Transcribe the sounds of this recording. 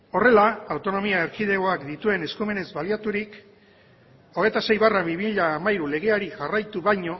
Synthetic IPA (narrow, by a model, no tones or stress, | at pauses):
o̞re̞laːwt̪o̞no̞miaeɾkiðe̞ɣo̞akd̪it̪ue̞ne̞skume̞ne̞zbaliat̪uɾik | o̞ɣ̞e̞jt̪ase̞jβaraβiβiʎaːmaiɾule̞ɣ̞e̞aɾiʝarajt̪uβajɲo̞